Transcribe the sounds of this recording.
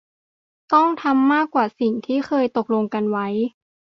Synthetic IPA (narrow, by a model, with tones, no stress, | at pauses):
t̪ɔ˥˩ŋt̪ʰa˧mːaː˥˩kwaː˨˩si˨˩ŋt̪ʰiː˥˩xɤː˧jt̪o˨˩k̚lo˧ŋka˧nwa˦˥j